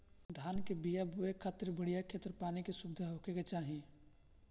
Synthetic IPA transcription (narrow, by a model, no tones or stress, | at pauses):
d̪ʱaːnkebijabuekʰaːt̪ɾbəɽijakʰeːt̪əɾpaːnikesʊbd̪ʱaɦokeket͡ʃaːɦi